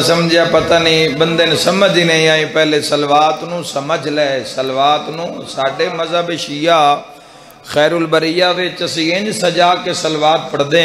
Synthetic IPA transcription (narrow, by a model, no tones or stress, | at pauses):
səməd͡ʒɪjaːpət̪aːnĩːbənd̪eːnsəməd͡ʒiːnəĩːaːĩːpɛːleːsəlʋaːt̪nũːsəməd͡ʒlɛːsəlʋaːt̪nũːsaːɖeːməzaːbeʃiːjaː | xɛːɾuːlbəɾiːjaːʋɪt͡ʃəsĩːɪ̃nd͡ʒsəd͡ʒaːkeːsəlʋaːt̪pəɽd̪eː